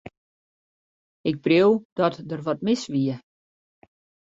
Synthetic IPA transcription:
ɪk̚browd̥ɔtdərʋɔtmɪsʋiə

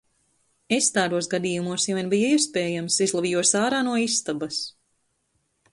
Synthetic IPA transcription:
est̪aːɾuɔsɡad̪iːjumuɔsjaviɛnbijaiɛspeːjamsizlˠavijuɔsaːɾaːnuɔisːt̪abas

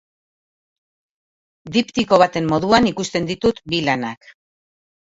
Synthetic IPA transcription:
d̪ipt̪iko̞β̞at̪e̞mːo̞ðuanikust̪e̞nd̪it̪ut̪bilanak

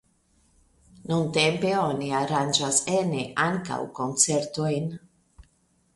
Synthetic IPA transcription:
nunt̪empeoniaɾand͡ʒaseneʔaŋka̰wkont͡seɾt̪ojn

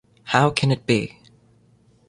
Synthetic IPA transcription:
haʊkʰɨ̃nɨt̚b̥ḭ

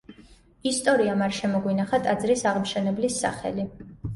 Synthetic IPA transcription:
ist̪ʼɔɾiamaɾʃɛmɔɡwinaχat̪ʼad̪zɾisaʁmʃɛnɛblisːa̰χɛ̰li

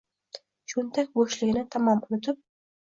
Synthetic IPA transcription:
t͡ʃʰʊnt̪ʰakʲboʃlɪɡʲɪnɪt̪ʰamɒmʊnɪt̪ʰɪp̚

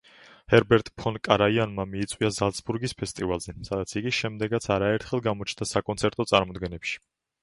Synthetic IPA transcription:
hɛɾbɛɾt̪ʼpʰɔnkʼaɾaianmamiːt̪sʼwiazalˠsbuɾɡispʰɛst̪ʼivalˠzɛsad̪at̪sʰiɡiʃɛmd̪ɛɡat̪sʰaɾaɛɾt̪ʰχɛlˠɡamɔt͡ʃʰnd̪asakʼɔnt̪sʰɛɾt̪ʼɔt̪sʼaɾmɔd̪ɡɛnɛpʃi̥

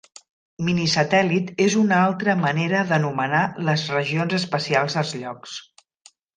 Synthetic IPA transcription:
minisət̪ɛlit̪ezunalˠt̪ɾəməneɾəðənumənaləzrəʒionzəspəsialˠzðəlˠzʎɔks

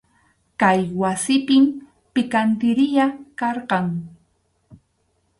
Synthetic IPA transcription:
kajwasɪpɪm | pɪkant̪ɪɾɪjakɑɾɢɑŋ

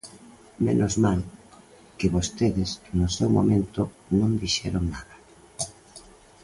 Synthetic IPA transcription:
mḛnʔozmaŋ | kɪβost̪eðɪsnʊsɛwmo̰mẽnt̪ʊ | nõŋd̪iʃɛɾoŋnaðɐ

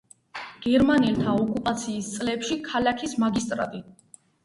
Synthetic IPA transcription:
ɡ̥ɛɾmanɛlt̪ʰaɔkʼupʼat̪sʰiːst̪sʼlɛpʃikʰalakʰismaɡist̪ʼɾa̰t̪ʼi

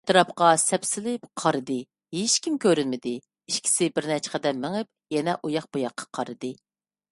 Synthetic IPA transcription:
tt̪ɨɾɑpqɑsɛpsɪlɪpqʰɑɾɨd̪ɨ | heʃkʲimkʲøɾɪnmɪd̪ɪ | iʃkʲʰi̥sɪbɪɾnɛt͡ʃʰqʰəd̪ɛmːɪŋɪp̚ | jɛnɛʔujɑχb̥ujɑqʰːɑ̥qʰɑɾɨd̪ɨ

